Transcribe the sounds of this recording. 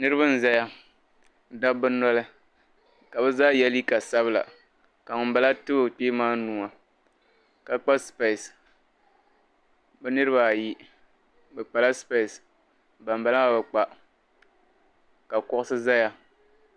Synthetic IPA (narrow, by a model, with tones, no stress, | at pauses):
nɨ˦ɾɨ˦βɨ˦n̩˨za˦ja˦ | da˦bɨ˦nɔ˦lɨ˦ | ka˨bɛ˦zaː˦jɛ˦li˦ka˨sa˦bɨ˦la̰˨ | ka˨ŋʊ˨m̩˦ba˦la˦tɨ˦bo˦˨k͡peː˦maː˦nuː˨ŋa˨ | ka˨˦k͡pa˦spe˨s | bɛ˦nɨ˦ɾɨ˦ba˨ji˦ | bɛ˨k͡pa˨la˦spe˦˨s | ba˨m˨ba˦la˦a˨bɛ˨k͡pa˨ | ka˨kɔ˦ʔʊ˦sɨ˦za˦ja˦